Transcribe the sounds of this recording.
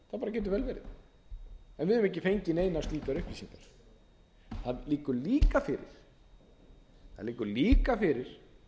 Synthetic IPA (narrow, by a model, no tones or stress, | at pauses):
θaðpaːɾacɛːt̪ʏɾvɛlvɛːɾɪð | ɛnvɪðʏmɛhc̬ːɪfejɲcɪnejnast̪liːk̪aɾʏhpisiŋkaɾ̥ | θaðliːkʏɾliːkafɪɾɪ̰ɾ̥ | θaðliːkʏɾliːkafɪɾɪɾ̥